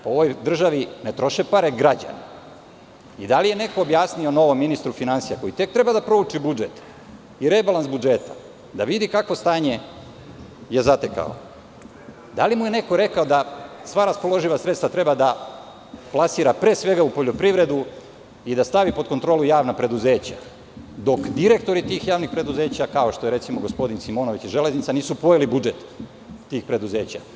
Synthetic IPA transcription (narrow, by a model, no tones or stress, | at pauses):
pooʋo̞jd̪r̩ʒaʋinet̪ɾo̞ʃepaɾeɡɾad͡ʑa̰na | id̪alijene̞ko̞ːbjaːsnio̞no̞ʋo̞mːinist̪ɾufinansijako̞jit̪e̞k̚t̪ɾe̞bad̪apɾo̞ut͡ʃibud͡ʒet̪ | iɾebalˠansbud͡ʒet̪a̰ | d̪aʋid̪ikakʋost̪aːɲe | je̞zat̪eka̰o̰ | d̪alimujeneko̞ɾe̞kaod̪asʋaɾaspo̞lˠo̞ʒiʋasɾet̪st̪ʋat̪ɾe̞bad̪a | plˠasiːɾapɾeːsʋe̞ɡaupo̞ʎo̞pɾiʋɾe̞d̪u | id̪ast̪aʋipo̞t̪kot̪ɾolujaːʋnapɾe̞d̪uze̞ːt͡ɕa | d̪o̞kd̪iɾe̞kt̪o̞ɾit̪iːxjaːʋnixpɾe̞d̪uze̞ːt͡ɕakao̞ʃt̪oeɾe̞t̪simoɡo̞spo̞d̪insimo̞ːno̞ʋit͡ɕiʒe̞le̞znit̪saniːsupo̞jilibud͡ʒe̞t̪ː | iːxpɾe̞d̪uze̞ːt͡ɕa̰